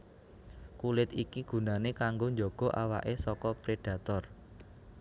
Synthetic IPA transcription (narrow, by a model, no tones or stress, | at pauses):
kulɪt̪ikiɡ̥ṳnanekaŋɡoɲd͡ʒɔɡ̥ɔ̤ʔawa̰ʔesɔkɔpɾeɖ̥ä̤t̪ɔr